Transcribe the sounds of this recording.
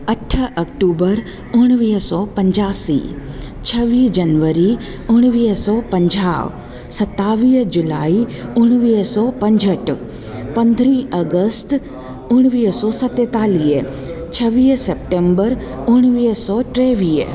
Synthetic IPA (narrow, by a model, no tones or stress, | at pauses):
əʈʰːək̚ʈubəɾ | ʊɽ̃ʋiːsɔpəɲd͡ʒaːsḭ | t͡ʃʰəʋiːd͡ʒənʋəɾi | ʊɽ̃ʋiːsɔpəɲd͡ʒa̰ːʋ | sət̪ːaːʋid͡ʒʊlaːiʊɽ̃ʋiːsɔpə̃ɲd͡ʒəʈ | pə̃nd̪ʱɾĩəɡəst̪ | ʊɽ̃ʋiːsɔsət̪ːet̪aːliː | t͡ʃʰəʋiːsep̚ʈembəɾʊɳ̃ʋiːsɔʈɾeʋiː